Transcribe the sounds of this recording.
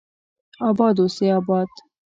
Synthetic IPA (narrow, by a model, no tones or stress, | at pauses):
ɑbɑːd̪oseɑːbɑːd̪